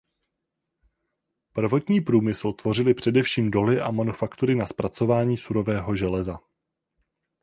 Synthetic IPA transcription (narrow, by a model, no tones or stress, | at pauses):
pr̩vo̞t̪ɲiːpɾuːmɪsl̩t̪vo̞rɪlɪpr̝̥ɛdɛfʃiːmdo̞lɪʔamanufakt̪uɾɪnaspɾat͡so̞vaːɲiːsuɾo̞vɛːɦo̞ʒɛlɛza